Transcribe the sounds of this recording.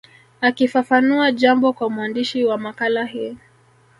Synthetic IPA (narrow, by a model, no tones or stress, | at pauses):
akifafanuaʄambɔkwamuandiʃiwamakalahiɔ